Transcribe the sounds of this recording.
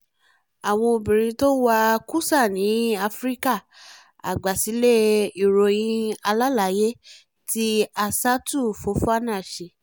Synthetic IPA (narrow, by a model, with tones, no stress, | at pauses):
a˨w̃ɔ̃˧o˧bĩ˨ɾĩ˧to˦wa˦˧ku˦sa˦˨nĩ˨˦a˧fɾi˦ka˦˨ | a̰˨ɡ͡ba˨si˨˦le˦i˨ɾo˧j̃ĩ˦a˧la˦la˨˦je˦ | ti˦a˧sa˦tu˦˨fo˨˦fa˦˨nãː˦˨ʃe˧